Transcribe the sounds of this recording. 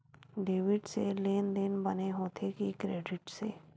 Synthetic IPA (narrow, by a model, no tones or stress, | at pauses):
ɖeːʋɪɖseleːnd̪eːnbɐneɦoːt̪ʰekikɾeːɖɪʈsḛː